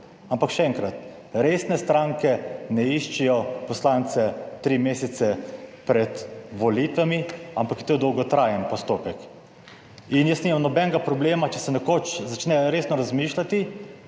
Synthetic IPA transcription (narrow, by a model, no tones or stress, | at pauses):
ampakʃɛɛŋkɾat̪ | ɾesnɛst̪ɾaːŋkɛnɛiʃt͡ʃɛjɔpɔslaːnt̪sɛt̪ɾimeːsɛt̪sɛpɾɛt̪ʋɔlit̪ʋamiampakjɛt̪od̪ɔwɡɔt̪ɾajənpɔst̪oːpɛk | injəsniːmamnɔbɛnɛɡapɾɔbleːmat͡ʃɛsɛnɛkoːt͡ʃzat͡ʃnɛɾeːsnɔɾazmiːʃlat̪i